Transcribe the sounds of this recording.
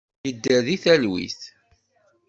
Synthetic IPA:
jəd̪ːæðiθælwḭθ

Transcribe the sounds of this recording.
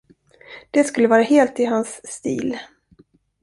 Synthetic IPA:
d̪̥ɛskɵlːəvɑːɾaheːlt̪ɪɦansːt̪ḭːl

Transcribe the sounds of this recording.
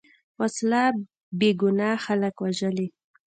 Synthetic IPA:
wasla | beɡʊnɑxaləkwaʒəle

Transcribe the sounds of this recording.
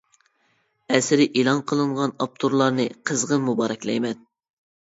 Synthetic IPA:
ɛsɪɾɪʔilˠɑnqʰəlˠɨɴʁɑnɑp̚t̪ʰuɾlˠɑɾnɨqʰəzʁəmubɑːɾɛkʲlɛ̰jmɛn

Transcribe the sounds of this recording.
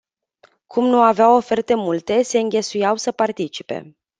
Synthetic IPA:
kʰumnuaveawo̞fe̞rt̪e̞mult̪e̞se̞ɨŋɡʲe̞sujawsəpart̪it͡ʃi̥pe̞̰

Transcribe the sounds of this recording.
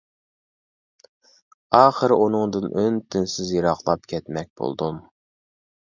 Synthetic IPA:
ɑːχəɾʔunɨŋd̪ɨnʔønt̪ʰɪnsɪzjiɾɑχlˠɑp̚kʲʰɛt̪mɛk̚ʲb̥o̰lˠd̪um

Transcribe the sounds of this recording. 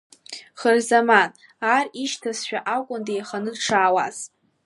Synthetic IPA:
χərzaman | ariʃtʰasʃᶣaʔakʷʼʊndejχanɨdʈ͡ʂʰaːwaz̥

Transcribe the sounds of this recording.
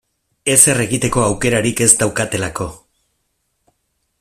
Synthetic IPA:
e̞se̞re̞ɣit̪e̞ko̞awke̞ɾaɾike̞zt̪awkat̪e̞lako̞

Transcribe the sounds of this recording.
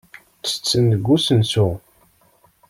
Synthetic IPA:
t͡sːə̥t͡sːənəɡːusənsu

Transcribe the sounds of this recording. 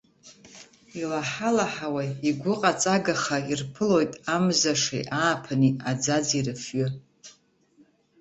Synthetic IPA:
ilaħalaħawaiɡʷʊqʼat͡sʼaɡaχairpʰɨlo̞jtʼamzaʂḛjʔaːpʰaniad͡zad͡zirɨfɥʏ

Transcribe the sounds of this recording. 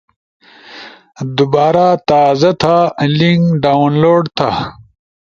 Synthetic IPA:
d̪ubaːɾat̪aːzɐt̪ʰaliŋɡɖawnloːɖt̪ʰa

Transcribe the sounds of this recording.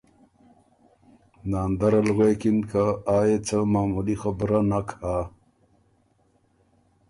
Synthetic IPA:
naːnd̪aɾɐlɣekinkaaːjet͡səmaːmulixabɾanakʰa

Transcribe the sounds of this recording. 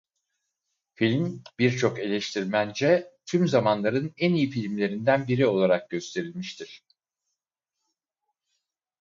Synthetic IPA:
filʲmb̥iɾt͡ʃʰo̞ke̞lʲɛʃt̪ʰiɾmænd͡ʒɛt̪ʰymzamanlˠaɾɯnɛnijifilʲmlʲe̞ɾind̪ænbiɾio̞lˠaɾak̚ɟø̞st̪ʰe̞ɾilʲmiʃt̪ʰiɾ̥

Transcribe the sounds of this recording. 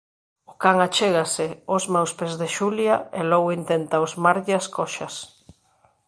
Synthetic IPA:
ʊkaŋat͡ʃeɣasɪozmawspezðeʃuljaelɔɣoint̪ent̪aozmaɾʎɪaskɔʃɐs

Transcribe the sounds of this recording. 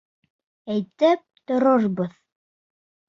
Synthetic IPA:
æjt̪ɘp̚t̪ŏɾoɾbɤð

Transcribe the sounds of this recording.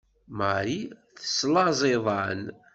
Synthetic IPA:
maɾiθə̥slɑzˤeðˤɑ̰n

